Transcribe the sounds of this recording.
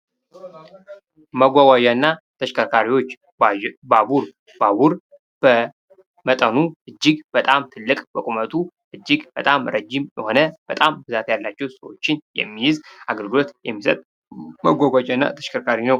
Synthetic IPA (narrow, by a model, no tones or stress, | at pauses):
məɡʷaɡʷad͡ʒanːat̪ʰəʃkʰəkʰaɾiwo̞t͡ʃː | babuɾ | baβuɾ | b̥ə | mət̪ʼənuʔɨd͡ʒːɪɡbət̪ʼamt̪ʰɨlːɨkʼbəkʼumət̪ʰʼu | ʔɨd͡ʒːɪɡbət̪ʼamɾəd͡ʒːɪmjɛho̞nəb̥ət̪ʼambɨzat̪jalːat͡ʃːɛwsəwo̞t͡ʃːɪnjɛ̰mːijɪzaɡəlɡɨlo̞t̪jɛmːsət̪ʼ | məɡʷaɡʷad͡ʒanːa̰t̪ʰə̥ʃkʰəɾkʰaɾinəw